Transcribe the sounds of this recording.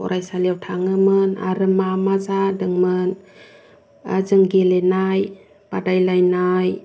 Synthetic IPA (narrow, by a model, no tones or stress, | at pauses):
ɔ̰ɾʔajsalijawtʰaŋɯmɯna̰ɾɯmamazadɯŋmɯn | azɯŋɡelenaj | b̥adajlajnaj